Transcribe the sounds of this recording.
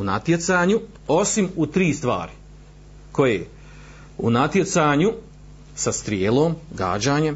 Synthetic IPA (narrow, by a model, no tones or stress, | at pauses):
una̰t̪je̞t̪saːɲu | o̞simut̪ɾiːst̪ʋa̰ːɾi | ko̞jḛ | unat̪je̞t̪saːɲu | sast̪ɾjeːlˠoːmɡa̰ːd͡ʑaːɲem